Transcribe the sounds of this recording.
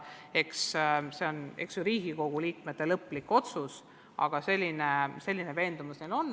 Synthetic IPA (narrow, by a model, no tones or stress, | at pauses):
e̞ksse̞o̞ne̞̰ksjuɾiːɡ̥iko̞ɡ̥uliːkme̞t̪ːe̞lɤpːˑlikːo̞t̪sus | ɑ̰ɡ̥ɑse̞lʲːinese̞lʲːineve̞ːnd̪umusnelo̞nː